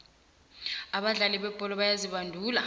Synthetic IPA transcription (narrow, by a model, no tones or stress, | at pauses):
aɓaɮaliɓɛb̥ʱɔlɔɓajaziɓandʱuːla